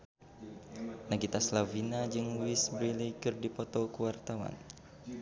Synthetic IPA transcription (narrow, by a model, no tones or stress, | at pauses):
naɡit̪aslavinad͡ʒɨŋwisbɾilikɨrdipɔt̪ɔkuwart̪awa̰n